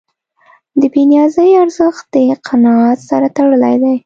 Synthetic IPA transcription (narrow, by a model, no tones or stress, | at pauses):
d̪əbinjɑzəjaɾzəxt̪̚d̪əqʰanɑɑt̪saɾat̪aɽəla̰jd̪aj